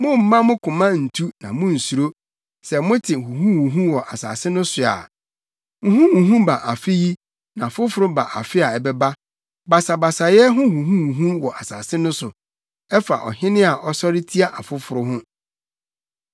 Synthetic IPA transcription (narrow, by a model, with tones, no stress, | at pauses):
mʊ̃˦m̩˨mã˦mʊ̃˦kʰʊ̃˨mã˦n̩˨tʰu˦nã˨mʊ̃˦n̩˨su˨ɾo˦ | sɛ˨mʊ̃˦tʰɪ˨hũ˨ɦũ˦wũ˨ɦũ˦wɔ˨ʔa̰˨sa̰ː˨sɪ˦nʊ̃˦sʊ˨a̰˨ | ŋũ˨ɦũ˦hũ˨ɦũ˦ba˨ʔa˨fɪ˦ji˦ | nã˨a˨fʊ˦fʊ˨ɾʊ˦ba˨ʔa̰˨fɪ˦a˨ɛ˨bɛ˦ba˦ | ba˨sa˨ba˨sa˨jɛ˦ɦʊ̃˦hũ˨ɦũ˦wũ˨ɦũ˦wɔ˨ʔa˨sa̰ː˨sɪ˦nʊ̃˦sʊ˨ | ɛ˦fa˨ʔɔ̰˨hɪ̃˦nɪ̃˦a˨ʔɔ˦sɔ˦ɾɪ˦tʰi˦a˦ʔa˨fʊ˦fʊ˨ɾʊ˦ɦʊ̃˦